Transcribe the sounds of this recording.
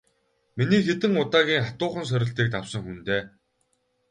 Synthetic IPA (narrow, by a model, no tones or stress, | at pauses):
miniːxet̪ɘ̆ŋʊt̪aːɣʲiːŋχat̪ʊːχə̆ns̬œɾʲɪ̆ɬt̪iːk̚t̪awsə̆ŋxunt̪eː